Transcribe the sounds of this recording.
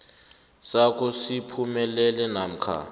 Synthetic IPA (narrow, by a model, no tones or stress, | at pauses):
sak̬ʼusipʰumɛlɛlɛnam̩kʰa̰